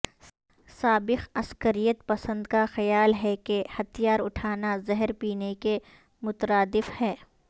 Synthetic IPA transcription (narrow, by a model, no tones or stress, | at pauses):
saːbɪxɐskəɾijət̪̚pɐsə̃nd̪kaxɐjaːlɦɛkehɐt̪ijaːɾʊʈʰaːnazɛɦəɾpiːneke | mʊt̪əɾaːd̪ɪfhɛː